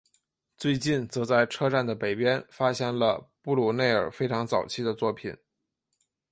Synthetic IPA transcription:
t͡swe˥˧ɪt͡ɕi˥˩nt͡sɤ˧˥t͡sa˥˩ɪʈ͡ʂʰɤ˥ʈ͡ʂa˥˩nd̪ə˩pe˨˩ɪpjɛ˥nfa˥ɕjɛ˥nlə̰˧pu˥˩lu˨˩ne˥˩ɪə̰˞˨˩fe˥ɪʈ͡ʂʰɑ˧˥ŋt͡sɑ˨˩ʊt͡ɕʰi˥d̪ə˨t͡swɔ˥˩pʰḭ˨˩˦n

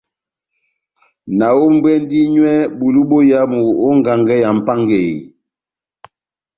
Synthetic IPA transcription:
na˨wo˦m̩˦bwɛ˦n˦di˦ɲwɛ˦bu˨lu˦ɓo˦ja˦mu˨o˦ŋ˨ɡa˨ŋɡɛ˦ja˨m̩˨pa˦ŋɡe˨j

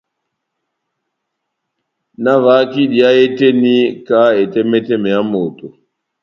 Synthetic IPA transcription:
na˦va˨˦ki˦ɗi˨a˦e˦te˦ni˦ka˦e˨tɛ˦mɛ˦tɛ˦mɛ˨ja˦mo˨to˨

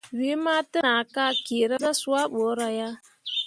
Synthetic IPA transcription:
we˨˦ma˦tɨ˦na˨ka˦ke˨ɾa˦za˦su˦a˦ɓɔ˨˦ɾa˨ja˦

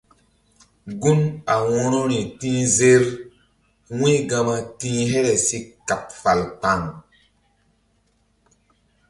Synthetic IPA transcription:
ɡu˦na˨wɔ˦ɾɔ˦ɾĩ˨tĩ˦ze˦ɾ | wĩ˦ɡa˧ma˦tĩ˦ɦɛ˦ɾɛ˨si˦ka˨p̚fa˨lk͡pa˨ŋ

